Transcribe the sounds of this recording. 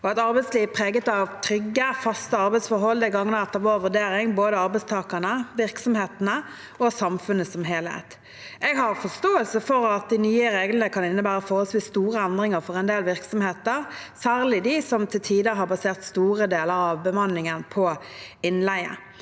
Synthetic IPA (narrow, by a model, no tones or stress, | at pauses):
ɔɑt̪ɑɾbɛɪsliːʋpʰʁeːɡət̪ɑʋt̪ʰɾʏɡːəfɑst̪əɑɾbæɪt̪sfɔɾɦɔlːd̪əɪɡɑŋːənəɑt̪̚ːɛʋoːʋʉd̪eːɾɪŋboːd̪əɑɾbɛɪst̪ʰɑːkənəʋɪʁksɔmheːt̪nə | ɔsɑmfʉnəsɔmɦeːlhḛːt̪ | ɛɡɦɑʁfɔst̪oːəlsəfɔɾɑt̪̚d̪ɪnyːəɾeːɡlənəkʰɑnɪnːəbæːɾəfɔːhɔsʋɪst̪uːʁəɛnd̪ʁɪŋəʁfɔʁɛnd̪eːlʋɪʁksɔmheːt̪əʁ | sæːʁlɪd̪ɪsɔmt̪ʰɪlt̪ʰiːd̪əɦɑɾbɑseːʁt̪st̪uːʁəd̪eːləɾɑʋbəmɑnlɪŋənpʰɔ | ɪnlæɪə̰